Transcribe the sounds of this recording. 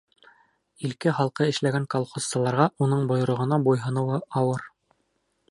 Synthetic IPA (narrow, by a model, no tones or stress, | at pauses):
ilkɘχɑlˠqɤɘ̆ʃlæɡæŋkolˠχossɑ̆lˠɑɾʁɑʔunɤɴbŏj̆ɾŏʁɤ̆nɑbujɦɤ̆nɤ̆wɤɑwɤɾ